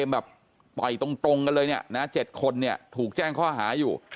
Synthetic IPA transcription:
e˧mbɛː˨˩p̚ | t̪ɔ˨˩jt̪o˧ŋt̪o˧ŋka˧nlɤː˧jni˥˩əna˦˥t͡ɕe˨˩t̪̚kʰo˧nːi˥˩ɐt̪ʰuː˨˩k̚t͡ɕɛː˥˩ŋkʰɔː˥˩ɦa̰ː˩˦juː˨˩

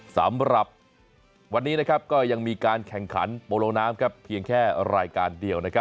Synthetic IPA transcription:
sa̰˩˦mɾa˨˩p̚ | wa˧nːiː˦˥na˦˥kʰa˦˥p̚kɔː˥˩ja˧ŋmiː˧kaː˧nkʰɛ˨˩ŋkʰa̰˩˦npoː˧loː˧ŋnaː˦˥mkʰa˦˥pʰːi˧əŋkʰɛː˥˩ɾaː˧jkaː˧ndi˧əwna˦˥kʰa˦˥p̚

